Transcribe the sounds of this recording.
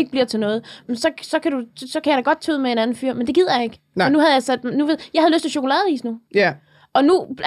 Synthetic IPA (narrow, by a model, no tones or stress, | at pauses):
eɡ̥̚b̥liɐt͡sʰe̝lnɔ̽ːð̞̩ˠmensɒ̽sɒ̽kʰæɾ̥usɒ̽kʰæjɑɾ̥æɡ̥ɒ̽d̥̚t͡sʰøð̩̰ˠmee̝ːnænn̩fyɐ̰mend̥e̝ɡið̞̰ˠɐjɑ̈ɪe̝ɡ̥ | nuɦæð̞ˠjɑsæd̥nuʋe̝̰jɑ̈ɪhæðˠløsd̥t͡seɕo̝kʰo̝lɛ̰ːð̩ˠḭːsnu | ʔɒ̽nu